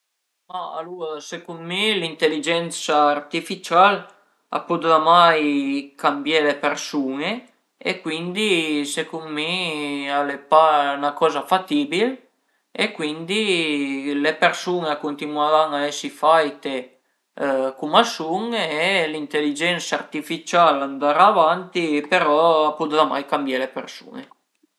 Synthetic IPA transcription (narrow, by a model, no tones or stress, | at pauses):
maa̰luːɾsekunmilint̪elid͡ʒɛnsaːrt̪ifit͡ʃal | a̰pud̪amajkambjelepersuːŋe | ḛkwind̪isekunmialepanakɔːzafat̪iːbil | ekwind̪i | lepersuːneakont̪inwavaŋaɛsːifajt̪e | kumasuŋɛlint̪elid͡ʒɛnsart̪ifit͡ʃaland̪aɾavant̪ipeɾɔpud̪ðama̰jkambjelepersṵːne